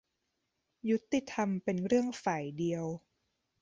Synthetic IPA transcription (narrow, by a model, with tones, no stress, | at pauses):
ju˦˥t̪ːi˥˩t̪ʰa˧mpe˧nɾɯ˥˩əŋfaː˨˩jdi˧əw